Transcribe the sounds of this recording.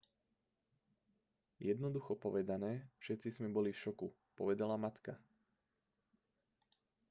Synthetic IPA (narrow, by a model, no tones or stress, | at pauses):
jɛd̪nɔd̪uxɔpɔʋɛd̪anɛːfʃɛt̪t͡sizmɛbɔlifʃɔku | pɔʋɛd̪alamat̪ka